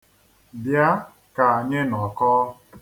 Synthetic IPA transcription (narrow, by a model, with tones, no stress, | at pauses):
bja˦ | ka˨ɲɪ˦nɔ˨kɔː˦